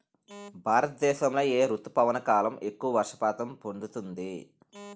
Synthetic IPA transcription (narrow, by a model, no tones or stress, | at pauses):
bʱaːɾɐt̪ɐd̪ɛːʃɐmlɐjeːɾut̪ːupɐʋɐnɐkaːlɐme̞kːuʋɐʋɐɾʂɐ̥paːt̪ɐmpond̪ut̪und̪i